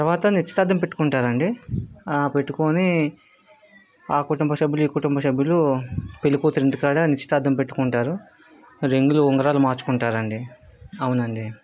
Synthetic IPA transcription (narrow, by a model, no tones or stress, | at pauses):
t̪ɐɾʋaːt̪ɐnit͡ʃːi̥t̪aːd̪ɐmpe̞ʈːu̥kuɳʈaːɾɐɳɖi | pe̞ʈːukoːni | aːkuʈumbɐsɐbʱjuluiːkuʈumbɐsɐbʱjulupilukuːt̪ɾiɳʈikaːɽɐnit͡ʃi̥t̪aːd̪ʱɐmpe̞ʈːukuɳʈaːɾu | ɾiŋɡuluɔŋɡɐɾaːlumaːɾt͡ʃu̥kuɳʈaːɾɐɳɖiɐwunɐɳɖi